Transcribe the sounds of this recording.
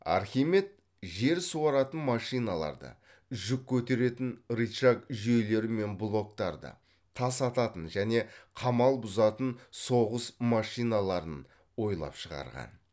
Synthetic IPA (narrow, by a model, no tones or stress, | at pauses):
ɑ̰ɾχʲime̞t̪̚ | ʒe̞ɾsuɑɾɑt̪ənmɑʃijnɑlˠɑ̰ɾd̪ə̰ | ʒʏkʲʰːɵt̪e̞ɾe̞t̪ɪnɾiʃakʒejle̞ɾɪme̞nblˠo̞k̚t̪ɑɾd̪ə̰ | t̪ʰɑsɑt̪ɑt̪ənʒæne̞qʰɑmɑlˠbʊzɑt̪ənso̞ʁəsmɑʃijnɑlˠɑɾən | wo̞jlˠɑ̰pʃəʁɑ̰ɾʁɑ̰n